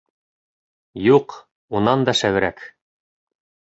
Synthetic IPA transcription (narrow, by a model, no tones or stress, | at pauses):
juq | unɑnd̪ɑʃæw̆ɾæk